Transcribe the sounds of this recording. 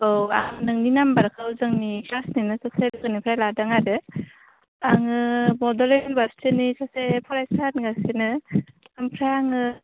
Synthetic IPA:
ɯwa̰ŋnɯŋninambaɾkʰawzɯŋnikasninɯsasedɯɡɯnipʰɾajladaŋaɾɯ | aŋɯbɔdɔlelbastɯnisasepʰɔɾajsanɡasinɯ | ampʰɾajaŋɯ

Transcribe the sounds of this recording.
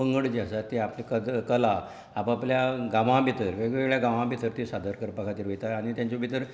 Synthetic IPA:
əŋɡəɽd͡ʑasat̪ːiaplikəd̪kəlaː | papljaɡãʋãbʱit̪əɾʋeɡɭeɡɭjaɡãʋãbʱit̪əɾt̪isad̪ʱəɾkəɾpəkʰat̪iːɾɦojt̪aːɽ̃it̪jaɲt͡ɕobʱit̪əɾ

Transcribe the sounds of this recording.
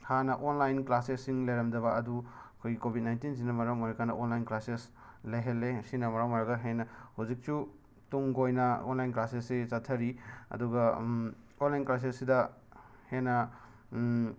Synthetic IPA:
hanɐʔonlajnklasesːiŋlɐjɾɐmdɐβɐɐduɐkʰojɡikobʱit̚najntinzinɐmɐɾawmojɾakʰanɐʔonlajnklases | lajɦelːesinɐmɐɾawmaɾaɡaɦenɐhawzik̚su | tuŋɡojnɐo̰nlajnklasesːit͡ʃatʰɐɾiɐ̰duɡɐ | onlajnklas̬esːidɐ | henɐ

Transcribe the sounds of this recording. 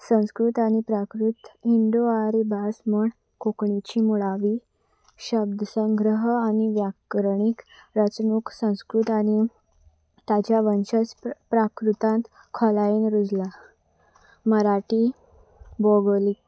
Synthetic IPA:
sə̃w̃skɾut̪aɽ̃ipɾakɾut̪ind̪oaɾbasməɳ | kokɳit͡ɕimuɭaʋiː | ɕəb̚d̪ʱəsə̃ŋɡɾəɦañiʋjakɾɳikɾət͡snuksə̃w̃skɾut̪añi | t̪ad͡ʑjaʋənɕəspɾakɾut̪ãnt̪ | kʰɔlajenɾud͡zla | məɾaʈi | boɡolik

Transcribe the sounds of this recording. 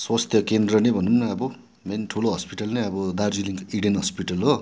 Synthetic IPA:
swast̪ʰjʌkend̪rʌnebʱʌnːunːʌʌbʌ | menʈʰuloɦʌspiʈʌlneʌbʌd̪ard͡ziliŋkiɽenɦʌspiʈʌlɦo

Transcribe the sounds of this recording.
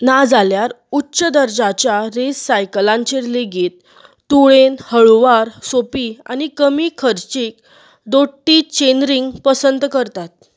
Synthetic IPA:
nad͡zaljaɾ | utːɕəd̪əɾd͡zat͡ɕjaɾesːajklãɲt͡ɕeɾleɡiːt̪̚ː | uɭenhəɭʋaɾsopiːa̰nikəmiːkʰəɾt͡ɕiːk | d̪oʈːit͡ɕenɾiŋɡpəsənd̪kəɾt̪at̪̚

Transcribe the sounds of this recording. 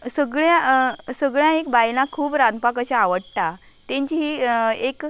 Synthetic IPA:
səɡɭjãsəɡɭjãekbajnakʰuːbɾanpakat͡ɕjaːʋəɽʈa | t̪ẽɲt͡ɕiɦiek

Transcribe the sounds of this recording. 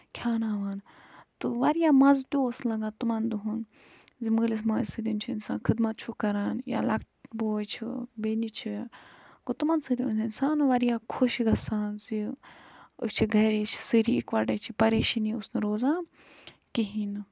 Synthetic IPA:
kʰʲaːnaːʋaːn | t̪ɨʋɐɾijaːmɐzt̪ʲoːslɐɡãːt̪umɐnd̪uɦun | zimɨːlis̬maːsɨd̪int͡ʃʰiinsa̰ːnkʰɨd̪mɐt̪̚t͡ʃʰukɐɾaːnja̰lɐkʈboːjt͡ʃʰibeːnit͡ʃʰi | kot̪umɐnsɨd̪iuninsaːnʋɐɾijaːkʰoʃiɡɐsaːnzi | t͡ʃʰiɡʱɐɾit͡ʃʰi̥sɨɾiikʋɐɖɐt͡ʃʰipɐɾeːʃɐniusnɨɾoːzãː | kiɦin

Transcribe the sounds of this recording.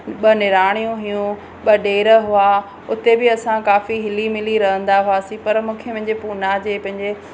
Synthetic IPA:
ɓɐnɪɾaːɽ̃ijũɦijũ | ɓɐɗeːɾəɦʊa | ʊt̪ebɪɐsãkaːfiɦɪlimɪliɾɐɦə̃nd̪aɦʊaːsĩpɐɾmũːkʰemɐ̃ɦɪ̃ɲd͡ʑepuːnad͡ʑeːpɐ̃ɦɪ̃ɲd͡ʑe

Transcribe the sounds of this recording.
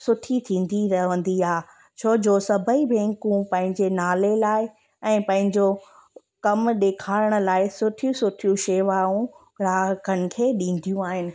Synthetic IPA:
sʊʈʰit̪ʰĩːn̆d̪iɾɐɦʋə̃nd̪iaː | t͡ɕʰoːd͡ʑoːsɐbʱəibʱẽːŋkũpɐ̃ɦɪ̃ɲd͡ʑenaːlelaːɪ | ɛ̃ːpɐ̃ɦɪ̃ɲd͡ʑo | kɐmɗeːkʰaːɪəɽ̃ʊ̆laːɪsʊʈʰijũsʊʈʰijũʃeːʋaːũ | ɾaːɦkənɪ̆kʰeːɗĩːnd̪ʱijũaːɦɪnɪ̆

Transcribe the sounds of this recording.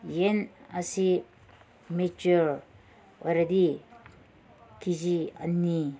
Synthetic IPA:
jenasi | met͡ʃuɾ | ojɾad̪i | kʰid͡ʒia̰nːi

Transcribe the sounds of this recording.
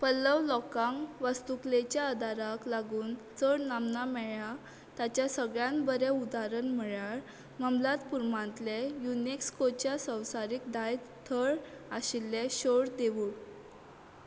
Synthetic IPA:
pəlːəʋlɔkãŋɡʋəst̪uklet͡ɕjaəd̪ʱaɾaklaɡuːnt͡səɽnamnamɛɭa | t̪at͡ɕjasəɡɭjãnbəɾeud̪aɾənm̤əɭaɭ | məmlat̪puɾmãnt̪lejunekskot͡ɕjasə̃w̃saɾikd̪aj | t̪ʰəɭ | aɕilːeɕoɽd̪eʋuːɽ

